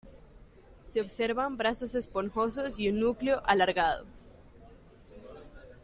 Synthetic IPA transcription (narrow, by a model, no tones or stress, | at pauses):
seoβseɾβambɾaso̞se̞spoŋxo̞s̬osjunːukleoʔalaɾɣaðo̰